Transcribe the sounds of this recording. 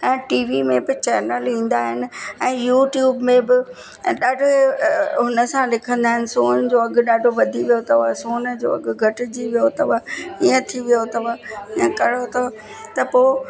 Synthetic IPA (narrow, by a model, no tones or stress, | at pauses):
k̪ɐɦɪ̃ʈiːʋimẽbɪt͡ɕɛːnəlĩːn̆d̪aːɦɪnɪ̆ɛ̃ːjuːʈjuːbmẽbɪ | ɗaːɖʱʊeɦʊnə̆sãlɪkʰə̃nd̪aːɦɪnɪ̆soːnd͡ʑoːɐɡɗaːɖʱoʋɐd̪ʱiʋijot̪ɐʋasoːnəd͡ʑo̰ːɐ̰ɡ̆ɡʱɐʈɪd͡ʑiʋijot̪ɐʋaiːə̃t̪ʰiʋijot̪ɐʋaiə̃kɐɽot̪ɐa | t̪ɐpoː